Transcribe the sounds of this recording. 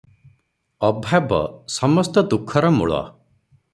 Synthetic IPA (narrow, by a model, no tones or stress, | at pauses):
ɔbʱabɔ̰sɔmɔst̪ɔd̪ukʰːɔɾɔmṵɭɔ̰